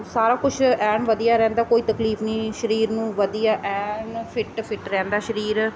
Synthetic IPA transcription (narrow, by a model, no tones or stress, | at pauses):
saːɾaːkʊt͡ʃʰɛːnʋəd̪ijaːɾɛ̃ːnd̪aːkoːiːt̪əkliːfnĩːʃəɾiːɾnũːʋəd̪ijaːʔɛːnpʰɪʈpʰɪʈɾɛ̃ːnd̪aːʃəɾiːɾ